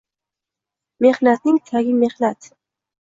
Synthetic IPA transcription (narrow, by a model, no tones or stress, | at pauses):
me̞hnat̪̚nɪŋt̪ʰaɡʲɪme̞hnat̪